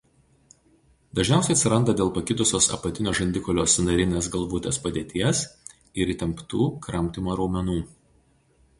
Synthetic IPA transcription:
d̪ɐʒʲnʲæˑʊsʲɛɪɐt̪sʲɪɾɐnd̪ɐd̪ʲeːlˠpɐkʲɪd̪ʊsʲoːsɐ̰pɐt̪ʲɪnʲoːʒɐnʲd̪ʲɪkɔlʲoːsnɐɾʲɪnʲeːsɡɐlˠʋuːt̪ʲeːspɐd̪ʲeːt̪ʲiɛs | ɪɾiːt̪ʲɛmpt̪uːkɾɐmʲt̪ʲɪmoːɾɐʊmʲɛnuː

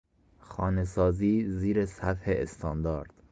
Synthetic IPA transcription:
xɒːne̞sɒːziːziːɾesæt̪heːst̪ʰɒːnd̪ɒːɾd̪̥

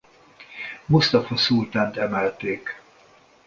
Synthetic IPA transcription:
must̪ɒfɒsult̪aːnt̪ɛmɛlt̪eːk

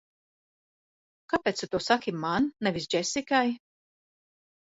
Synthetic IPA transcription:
kapɛt̪sut̪usakʲimannɛvis̬d͡ʒɛsikaj

